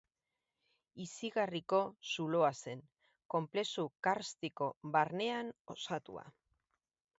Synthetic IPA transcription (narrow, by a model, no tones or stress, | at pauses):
isiɣariko̞suloase̞ŋ | ko̞mple̞sukaɾst̪iko̞βaɾne̞ano̞sat̪ṵa̰